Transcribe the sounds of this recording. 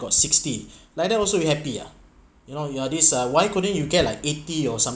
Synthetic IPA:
ɡ̥ɔtsikstilaɪk̚dɛtɔlsobihɛpia̰ | junojuadisawajkudə̃njuɡɛt̚laɪketiɔsãm

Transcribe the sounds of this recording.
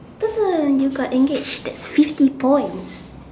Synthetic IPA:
bəvəjuɡɔtɛ̃ŋɡet͡ʃdɛtsfiftipʰɔ̃j̃ns

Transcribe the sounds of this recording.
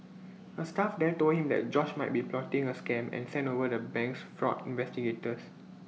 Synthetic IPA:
əstafdɛtolhĩmdɛ̰t̚d͡ʒɔʃmaɪt̚biplɔtĩŋəskɛ̃mɛ̰̃nsɛ̃ntovədəbɛ̃ŋksfɹɔ̰tĩnvɛstiɡetəs

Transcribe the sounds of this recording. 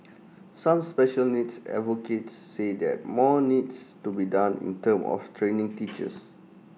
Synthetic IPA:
sãmspɛʃəlnitsɛ̰voketsːedɛ̰t̚mɔnidstubidãnḭ̃ntə̃mɔ̰ftʰɹẽnɪ̃ŋtit͡ʃə̰s

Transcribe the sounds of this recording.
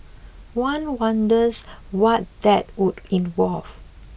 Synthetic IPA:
wãnwãndəzwɔt̚d̥ɛt̚wudĩnvɔlv

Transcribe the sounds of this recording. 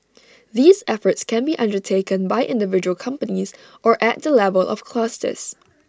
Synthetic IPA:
ðiːzɛfətskɛ̃nbiʔʌ̃ndətʰekə̃nbaɪʔɪ̰̃ndɪvɪd͡ʒuəlˠkʰʌ̃mpəniz | ʔɔʔɛt̚dəlɛvəlˠʔɔ̰fkʰlɔstə̰s

